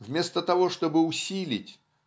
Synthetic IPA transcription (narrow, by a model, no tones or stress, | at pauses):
vmʲe̞st̪ət̪ɐvo̞ʂt̪o̞bɨʊsʲilʲɪtʲ